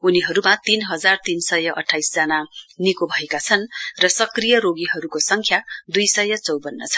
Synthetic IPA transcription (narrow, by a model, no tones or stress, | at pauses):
uniɦʌɾumat̪inɦʌd͡zart̪insʌjʌʔʌ̰ʈʰːajsd͡zananikobʱʌekat͡sʰʌnrʌsʌkrijʌɾoɡiɦʌɾukosʌŋkʰjad̪ujsʌjʌt͡sʌwbʌnːʌ̰t͡sʰʌ̥